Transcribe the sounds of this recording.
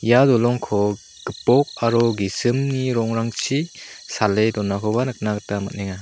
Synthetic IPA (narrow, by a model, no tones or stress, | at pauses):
jadɔlɔŋkʰɔ | ɡ̥ɯpɔk̚aɾɔɡisɯmniɾɔŋɾaŋt͡ʃʰisaledɔnakʰɔbanɯk̚naɡɯtama̰t̚neŋa